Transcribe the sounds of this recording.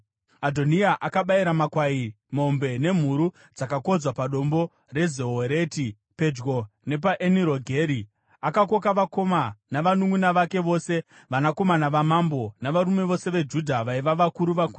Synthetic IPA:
adʱo̞niaʔakaɓaiɾamakwai | mo̞mbe̞ne̞m̤uɾu | d͡zakako̞d͡zwapaɗo̞mbo̞ | re̞zeɦoɾe̞ti | pe̞d͡ʒɡo̞ne̞p̬aʔeniɾo̞ɡʱe̞ːɾi | akako̞kaʋako̞manaʋanuŋunaʋake̞ʋo̞ːse̞ | ʋanako̞manaʋamambo̞naʋaɾume̞ʋo̞se̞ʋe̞d͡ʒudʱaʋaiʋaʋakuɾuʋaku

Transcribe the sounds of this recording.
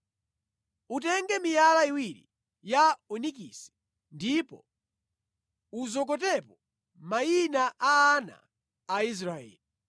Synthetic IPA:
ut̬ɛŋɡɛmijalaiwiɾḭ | jaɔnik̬ḭsɛ̥ | ndipɔ̰ | uzɔk̬ɔt̬ɛpɔ | mainaʔaːna̰ː | is̬ɾaɛ̰ːli

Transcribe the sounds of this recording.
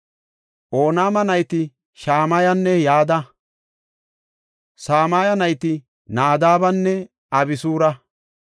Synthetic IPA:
ʔoːnaːmɐnɐjt̪ɪ | ʃaːmaːjɐnːɛjaːd̪ɐ | saːmaːjɐnɐjt̪ɪ | naːd̪aːbɐnːɛ | ɐbɪsuːɾɐ

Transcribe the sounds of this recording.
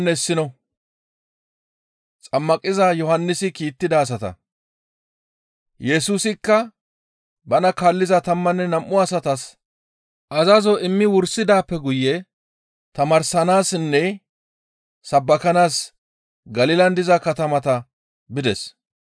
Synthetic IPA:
nːɛɪsːɪnɔ | t͡sʼɐmːɐkʼɪzɐjɔhɐnːɪsɪkiːt̪ːɪd̪ɐːs̬ɐt̪ɐ̰ | jɛsuːsɪkːɐ | bɐnɐkaːlːɪzɐt̪ɐmːɐnːɛnɐmʔːʊɐsɐt̪ɐs | ʔɐzɐzɔɪmːɪwʊɾsɪd̪aːpːɛɡʊjːɛ | t̪ɐmɐɾsɐnaːsɪnːɛ | sɐbːɐkɐnaːs | ɡɐlɪlɐnd̪ɪzɐkɐt̪ɐmɐt̪ɐ | bɪd̪ɛs

